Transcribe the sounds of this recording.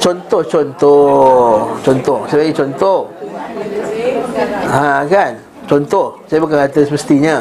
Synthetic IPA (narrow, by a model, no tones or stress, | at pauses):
t͡ʃɔnt̪ɔht͡ʃɔnt̪ɔ | t͡ʃɔnt̪ɔhsalaɡit͡ʃɔnt̪ɔh | ãkan | t͡ʃɔnt̪ɔhsajabukankat̪asəməst̪iɲə